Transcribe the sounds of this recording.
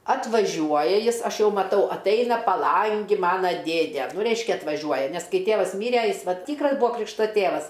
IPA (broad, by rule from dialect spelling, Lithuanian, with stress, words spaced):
ɐtʋɐˈʒʲuɔjɛ ˈjɪs ˈɐʃ ˈjɛʊ mɐˈtɐʊ ɐtˈɐɪnɐ pɐˈlˠɐŋʲɡʲɪ ˈmɑːnoː ˈdʲeːdʲɛ ˈrʲɛɪʃʲkʲɛ ɐtʋɐˈʒʲuɔjɛ ˈnʲɛs ˈkɐɪ ˈtʲeːʋɐs ˈmʲiːrʲɛ ˈjɪs ˈʋɐt ˈtʲiːkrɐs ˈbuːɐ ˈkrʲɪkʃtɐ ˈtʲeːʋɐs